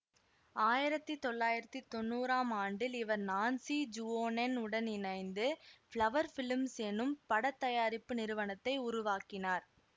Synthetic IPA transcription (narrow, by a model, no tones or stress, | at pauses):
aːjɪɾɐt̪ːɯt̪ɔɭːaːjɪɾɐt̪ːit̪ːɔnːuːɾaːmaːɳɖɪlɪʋɐɾnaːnsid͡ʒuoːnɛnʊɽɐnɪnɐɪnd̪ɯfɭɐʋɐɾfɪlmsɛnːɯmpɐɽɐt̪ːɐjaːɾɪpːɯnɪɾɯʋɐnɐt̪ːɐɪʊɾʊʋaːkɪnaːɾ